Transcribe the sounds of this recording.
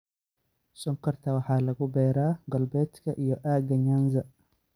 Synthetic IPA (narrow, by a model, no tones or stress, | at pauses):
sɔŋkʰɐrt̪ʰɐwɑħɑːlɐɣʊbɛːɾaːɡɐlbɛːd̪kʰɐʔijɔʔaːɡɐɲaːnzɐ